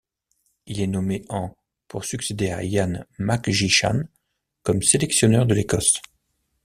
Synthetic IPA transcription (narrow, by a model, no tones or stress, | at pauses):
ilɛnɔmeɑ̃ | puʁsyksed̪eajanmakʒiʃa̰n | kɔmselɛksjɔnœʁd̪əlekɔs